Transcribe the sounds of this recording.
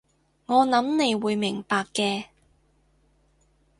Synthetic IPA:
ŋɔː˨˧nɐ˨˥mne˨˧jwuː˨˧jmɪ˨˩ŋpaː˧kːɛː˧

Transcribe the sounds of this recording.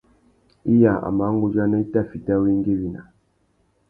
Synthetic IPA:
i˦ja˨a̰˨ma˨˦ŋɡu˦d͡ʒa˦ne˦i˦ta˦˨fi˨ta˦wi˦ŋ˦ɡe˦wi˦na̰˨

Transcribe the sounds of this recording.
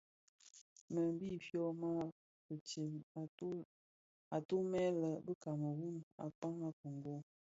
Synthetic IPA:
mə˨m˦bi˦fjɔ˦ma˦ | ə˨t͡ʃi˨m˨˦ | a˨to˦mɛ˦lə˨bə˦ka˨mə˨wu˦na̰˨k͡pa˦ŋa˦ko˨ŋ˨ɡo˦

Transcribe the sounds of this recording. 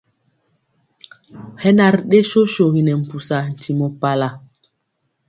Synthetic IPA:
hɛ˦na˨ɾɗe˦ʃo˦ʃo˨ɣi˨nɛ˨m̩˨pu˨sa˨n̩˨tʰi˨mɔ˨pa˦la˨

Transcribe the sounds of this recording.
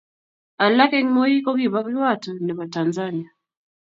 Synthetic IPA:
a˨la˦kɛ˦ŋ˦mɔ˦i˦kɔ˦kiβa˦βi˦wa˦tɔ˨ni˨βa˨tanzani˦a˨

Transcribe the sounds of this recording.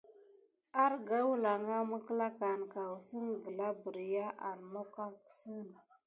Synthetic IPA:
a˦ɾɡa˦wu˦la˨ŋa˦mə˦kə˦la˦ka˨n˨ka˨wu˨sə˦ŋɡə˨la˦bə˨ɾja˦ʔa̰˨ɾno˦ka˦kə̥˨sə˦n˨

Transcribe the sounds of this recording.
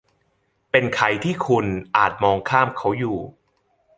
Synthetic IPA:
pe˧nkʰa˧jt̪ʰiː˥˩kʰu˧nʔaː˨˩t̪̚mɔː˧ŋkʰaː˥˩mkʰa˦˥wjuː˨˩

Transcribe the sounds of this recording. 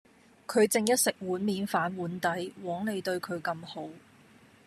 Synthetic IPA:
kʰɵ˨˧ɥt͡sɪ˨˧ŋjɐ˥t̚sɪ˨k̚wuː˨˥nmiː˨˧nfaː˨˥nwuː˨˥nt̪ɐ˨˥jwɔː˨˥ŋne˨˧jt̪ɵ˧ɥkʰɵ˨˧ɥkɐ˧mho˨˥w

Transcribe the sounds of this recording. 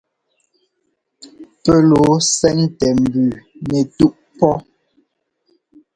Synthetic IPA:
pɛ˦lo˨˦sɛ˦ŋtɛ˨m̩˨bʉ˨nɛ˨tu˦ʔ | pɔ˦

